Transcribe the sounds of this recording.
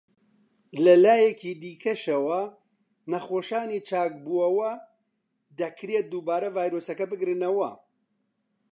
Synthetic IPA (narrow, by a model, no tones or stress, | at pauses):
lɐlaːjɛkiːd̪iːkʰɐʃɐwɐ | nɐxoːʃaːniːt͡ʃʰaːk̚buɐwɐ | d̪ɐkʰɾeːt̪̚d̪uːbaːɾɐvaːjɾoːsɐkɐbɨɡɾɨnɐwɐ